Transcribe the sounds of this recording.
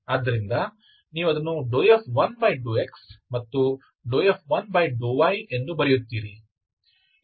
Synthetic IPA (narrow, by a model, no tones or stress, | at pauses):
aːd̪ːɐɾind̪ɐ | niːʋuɐd̪ɐnːuɖoːjepʰʋɐnbɐjɖuːeksmɐt̪ːu | ɖoːjepʰʋɐnbɐjɖuːʋɐjendubɐɾijut̪ːiːɾi